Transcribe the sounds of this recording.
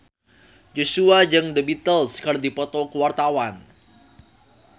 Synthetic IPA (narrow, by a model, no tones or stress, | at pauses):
d͡ʒosuad͡ʒɨŋdəbit̪əlskərdipɔt̪ɔkəwart̪awan